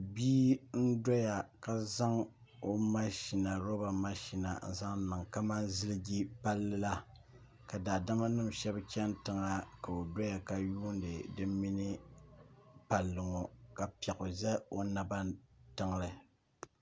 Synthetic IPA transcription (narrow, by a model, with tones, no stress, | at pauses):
biː˦n̩˦dɔ˦ja˨ka˦za˦ŋ | o˦ma˦ʃi˨na˨ɾo˦ba˨ma˦ʃi˨na̰˨n̩˨za˦ŋ̩˦nɨ˨ŋka˦ma˦nzɨ˦lɨ˦ɡi˦pa˦lːɨ˦la˦ | ka˨daː˨da˦ma˦nɨ˦m˨ʃɛ˦bkʲɛ˦n˦tɨ˦ŋa˦ka˨o˨dɔ˦ja˨ka˦juː˦n˦dɨ˨dɨ˦mmi˦nɨ˦ | pa˨lːɨ˨ŋo˨ka˨pi˨ɛ˨kʊ˨zɛ˦o˦na˦ba˦ntɨ˦ŋ˦lɨ˨